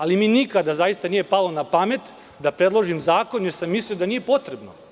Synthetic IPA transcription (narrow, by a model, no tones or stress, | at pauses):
alimiːnikad̪azajist̪anije̞palo̞napame̞t̪ | d̪apɾe̞d̪lˠoʒimzaːko̞njeɾsamːisliod̪aniːje̞po̞t̪ɾebno